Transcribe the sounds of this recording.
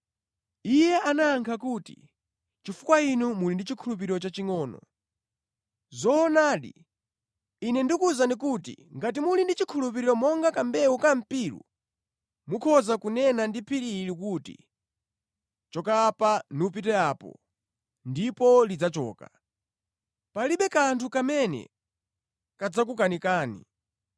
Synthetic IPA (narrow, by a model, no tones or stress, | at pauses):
ijɛanaːŋkʰakutḭ | t͡ʃifukwainumulindit͡ʃikʰulup̬iɾiɾɔt͡ʃat͡ʃiŋɔːnɔ̰ | zɔːnaːɗḭ | nɛndikuzanik̬utḭŋɡat̬imulindit͡ʃikʰulup̬iɾiɾɔmɔŋɡakambɛwukam̩piːɾṵ | mukʰɔzakunɛnandipʰiɾiɾikuːtḭ | t͡ʃɔkapanup̬itɛaːpɔ̰ | ndipɔlid͡zat͡ʃɔ̰ːka | paliɓɛkantʰukamɛnɛ̰ | kad͡zak̬ukanikaːnḭ